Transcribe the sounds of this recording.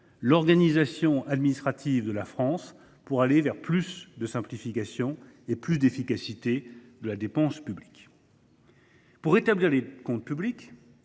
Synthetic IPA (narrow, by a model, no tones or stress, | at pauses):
lɔʁɡanizasjɔ̃ad̪minist̪χat̪ʰivd̪əlafχɑ̃s | puʁalevɛʁplysd̪əsɛ̃plifikasjɔ̃ | eplysd̪efikasit̪ed̪əlad̪epɑ̃spyblik | puʁet̪abliʁlekɔ̃t̪̚pyblik